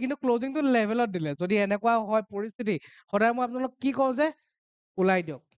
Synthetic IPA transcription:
kintʊkloziŋtʊlɛbʱɛlɔt̚dilɛzodiɛnɛkʊwaɦɔjpoɹist̪ʰiti | xɔdajmɔjapʊnalʊkɛkikɔw̃zɛ | ulajdijɔk̚

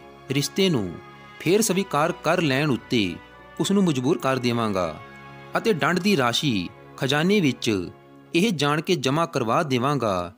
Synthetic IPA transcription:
ɾɪst̪eːnṵ̃ː | pʰɪɾsəʋiːkaːɾkəɾlɛːɳʊt̪ːḛː | kʊsnũːməd͡ʒbuːɾkəɾd̪eːʋãːŋɡa̰ː | ət̪eːɖə̃ɳɖd̪iːɾaːʃiː | kʰəd͡ʒaːneːʋɪt͡ʃ | ɪɦd͡ʒaːɳ̃keːd͡ʒəmaːkəɾʋaːd̪eːʋã̆ːɡa̰ː

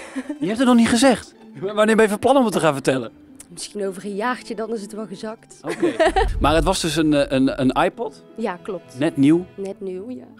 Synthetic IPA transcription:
jəɦɛptətnɔχniχəzɛxt | ʋanɪːbɛjəvəplɑnɔmətəχaːnvəɹtɛlə | mɪskinowvərənjaːxtədɑnɪs̬ətʋɛlˠɣəzɑktokemaːɹətʋɔsdøsənənənajpɔt | jaklɔp̚tnɛtniwnɛtniwj

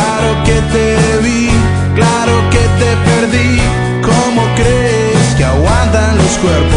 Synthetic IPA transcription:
aɾoket̪eβi | klaɾoket̪epeɾði | komokɾeeskeaɣwant̪anloskweɾpo

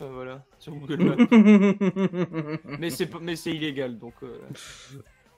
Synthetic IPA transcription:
favwalasyɡuɡ | mɛsɛpmɛsɛileɡald̪ɔ̃kø̰

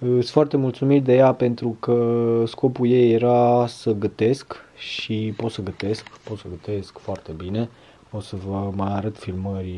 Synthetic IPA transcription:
ɨt̪sʲfoart̪e̞mult̪sumit̪d̪e̞jape̞nt̪ɾukəsko̞puje̞jːeɾasəɡət̪e̞skʃipo̞t̪səɡət̪e̞skpo̞t̪səɡət̪e̞skfoart̪e̞bine̞ | ot̪səvəmajaɾət̪filməɾʲ

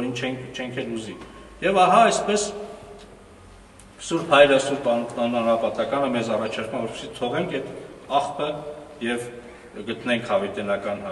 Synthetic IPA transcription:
ɾint͡ʃʰɛŋkʰt͡ʃʰɛŋkʰɛluzi | jɛvɑɦɑɛspɛs | suɾhɑjɾəsuɾp̪ɑnɑnuɑnɾɑpɑt̪ɑkɑnəmɛzɑrɑt͡ʃʰɑɾkumɑvɔɾpi̥sit̪ʰɔʁɛŋkʰɛt̪ɑχpəjɛv | ɡət̪nɛŋkʰhɑvit̪ɛnɑkɑnhɑ

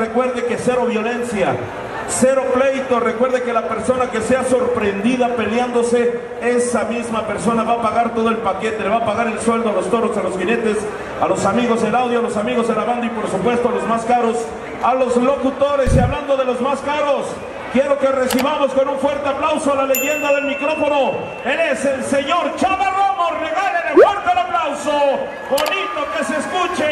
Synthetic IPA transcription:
ekwe̞ɾðe̞ke̞se̞ɾo̞βjo̞le̞nsja | se̞ɾo̞ple̞jt̪o̞re̞kwe̞ɾðeke̞lape̞ɾso̞nake̞se̞aso̞ɾpɾe̞nd̪iðape̞ljand̪o̞se̞ | e̞samizmape̞ɾso̞naβaːpaɣaɾt̪o̞ðo̞elpake̞t̪eleaːpaɣaɾe̞lswe̞ld̪o̞alo̞st̪o̞ɾo̞salo̞sxine̞t̪e̞s | alo̞samiɣo̞zelawðjoalo̞samiɣo̞zðelaβand̪oipo̞ɾsupwe̞st̪o̞alozmaskaɾo̞s | alo̞zlo̞kut̪o̞ɾe̞siaβland̪o̞ðe̞lo̞zmaskaɾo̞s | kje̞ɾo̞ke̞re̞siβamo̞sko̞nuɱfwe̞ɾt̪e̞aplawsoalale̞ʝe̞nd̪aðe̞lmikɾo̞fo̞no | eleselse̞ɲo̞ɾt͡ʃaβaramoreɣalenelfweɾt̪elaplawso | bo̞nit̪o̞ke̞seskut͡ʃe

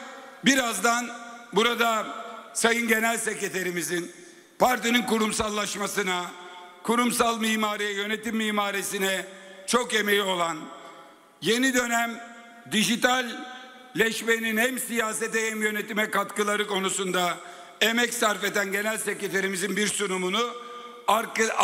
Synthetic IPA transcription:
biɾazd̪anbuɾad̪asajɯnɟe̞nælʲsecet̪ʰeɾimizin | paɾt̪ininkuɾumsalˠːaʃmasɯna | kʰuɾumsalˠmiːmaːɾijɛjø̞net̪imːiːmaːɾisinɛt͡ʃʰo̞ke̞mejio̞lˠan | je̞nid̪ø̞næm | d̪iʒit̪alʲ | lʲɛʃmeninɛmsijaːset̪ɛhɛmjø̞net̪imɛkat̪kɯlˠaɾɯko̞nusund̪a | emɛcsaɾfe̞d̪ænɟe̞nælʲsecet̪ʰeɾimizinbiɾsunumunu | aɾk

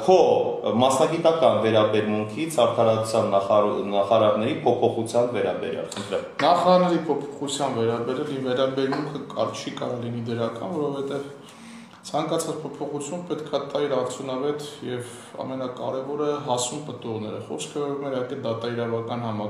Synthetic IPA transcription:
kʰɔmɑsnɑɡit̪ɑkɑnvɛɾɑbɛɾmuŋkʰit͡sʰɑɾt̪ʰɑɾɑu̥t͡sʰjɑnːɑɑχɑɾɑɾnɛɾipʰɔpʰɔχut͡sʰjɑnvɛɾɑ̰bɛ̰ɾjɑ̰lχənt̪ʰɾɛnɑχɑɾɑɾnɛɾipʰɔpʰɔ̥χut͡sʰjɑnvɛɾɑbɛɾjɑlivɛɾɑbɛɾmuŋkʰəkɑɾt͡ʃʰikɑɾɔlinid̪əɾɑkɑ̰nvɔɾɔvɛt̪ɛv | t͡sʰɑŋkɑt͡sʰɑt͡spʰɔpʰɔχut͡sʰjumpɛt̪kʰɑt̪ɑiɾɑɾt͡sʰjunɑvɛt̪jɛv | ɑ̰mɛnɑkɑɾɛvɔɾɛɦɑsumpət̪uʁnɛɾəχɔ̰skʰəvɔɾumɛɾhɑkɛnd̪ɑt̪ɑiɾɑvɑkɑnhɑmɑ

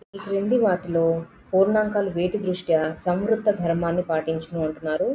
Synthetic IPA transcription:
ikɾend̪iʋaːʈilo̞ː | puːɾɳaːŋkaːluʋeːʈid̪ɾuʂʈjɐsɐmʋɾut̪ːɐd̪ʱɐɾmaːnːipaːʈiɲt͡ʃɐnuɐɳʈunːaːɾu

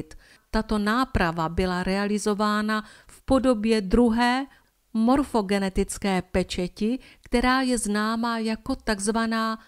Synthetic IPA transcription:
t̪ | t̪at̪o̞naːpɾavabɪlaɾɛalɪzo̞vaːnafpo̞do̞bjɛd̪ɾuɦɛː | mo̞ɾfo̞ɡɛnɛt̪ɪt͡skɛːpɛt͡ʃɛcɪkt̪ɛɾaːjɛznaːmajako̞t̪aɡzvanaː

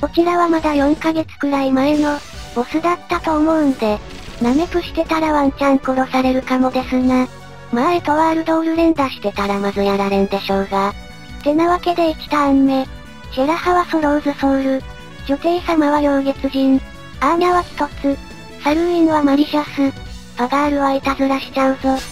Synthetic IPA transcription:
o̞kʲinaβamad̪ajõ̞ŋkaɡe̞t͡sɨ̥kɯ̟ɾaimaeno̞osɨd̪at̪ːat̪o̞ːmo̞ɯ̟̃nd̪e̞ | name̞kɯ̟ɕi̥t̪e̞t̪aɾaβaɲt͡ɕãŋkoɾo̞saɾe̞ɾɯ̟kamo̞d̪e̞sɨŋa | maet̪o̞βaːɾɯ̟d̪o̞ːɾɯ̟ɾẽ̞nd̪aɕi̥t̪e̞t̪aɾamazɨjaɾaɾẽ̞nd̪e̞ɕo̞ːɡa | t̪e̞naβake̞d̪e̞ikʲi̥t̪aːɲ̟ime̞ | d͡ʑeɾahaβasoɾoːzɨsoɾɯ̟ | ʑo̞t̪e̞ːsamaβajo̞ːɡe̞t͡sɨʑĩŋ | aɲaβakʲi̥t̪o̞t͡sɨ | saɾɯ̟iŋβamaɾʲiʑasɨ | paɡaːɾɯ̟βait̪azɨɾaɕi̥t͡ɕãso

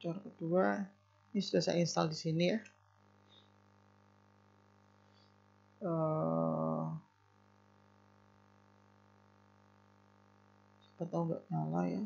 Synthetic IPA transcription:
t͡ʃaɾakət̪ua | nisudasa̰inst̪aldisinija | ə | sə̥pat̪auŋɡaʔɲalaja̰

